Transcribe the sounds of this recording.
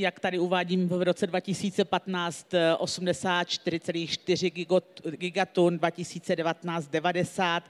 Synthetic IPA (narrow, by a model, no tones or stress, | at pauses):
jakt̪adɪuvaːɟiːmvvɾo̞t͡sɛdvacɪsiːt͡sɛpat̪naːt͡st̪ʔo̞sumdɛsaːt̪̚t͡ʃt̪ɪɾɪt͡sɛliːxʃt̪ɪr̝ɪɡɪɡoɡɪɡat̪ondvacɪsiːt͡sɛdɛvat̪naːt͡st̪̚dɛvadɛsaːt̪